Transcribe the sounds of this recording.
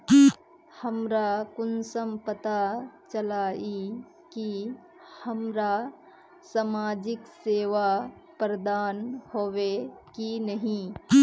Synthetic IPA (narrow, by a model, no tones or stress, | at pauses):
hɐmɾakʊnsəmpət̪at͡ʃɐlaːi | ki | hɐmɾa | samaːd͡ʒɪkseːʋapɾəd̪aːnhoːʋekinɐɦĩ